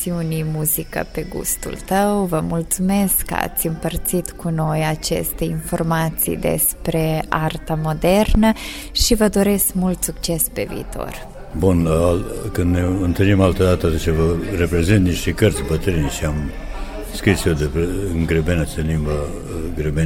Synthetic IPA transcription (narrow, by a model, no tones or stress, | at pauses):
siunimuzikə̰peɡṵst̪ṵlt̪əwvəmult̪sumeskːə̰a̰t̪sʲɨmpərt̪sit̪kuno̞jat͡ʃḛst̪e̞informat̪sḭd̪ḛspɾe̞art̪amo̞d̪ernə | ʃivəd̪o̞ɾeskmult̪suk̚t͡ʃe̞spe̞vḭːt̪o̞̰r | bunakɨnd̪neɨnt̪ɨlimalt̪əd̪at̪əat̪ət͡ʃəvəɾepɾezint̪niʃt̪ikəɾt̪sʲbət̪ɾinʃiam | skɾisjod̪epɨŋɡɾebenəsənimə | ɡɾebe